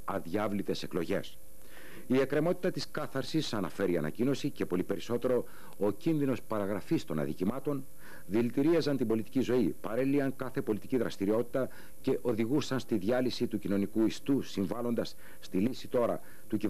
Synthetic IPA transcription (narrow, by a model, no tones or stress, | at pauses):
ɐðʝɐvlit̪e̞se̞klo̞ʝe̞̰s | ie̞kɾe̞mo̞t̪i̥t̪ɐt̪iskɐθɐɾsisɐnɐ̰fe̞ɾiɐ̰nɐ̰cino̞sice̞po̞lipe̞ɾiso̞t̪e̞ɾo̞ | ocinðino̞spɐɾɐɣɾɐfist̪o̞nɐ̰ðḭcimɐt̪o̞n | ðilt̪iɾiɐzɐnt̪imbo̞lit̪i̥cizo̞ipɐɾe̞liɐŋkɐθe̞po̞lit̪iciðɾɐst̪iɾio̞t̪i̥t̪ɐ | ce̞ʔo̞ðiɣusɐnst̪iðʝɐlisit̪ucino̞nikuist̪usiɱvɐlo̞nd̪ɐsː | t̪ilisit̪o̞ɾɐ̰ | t̪uci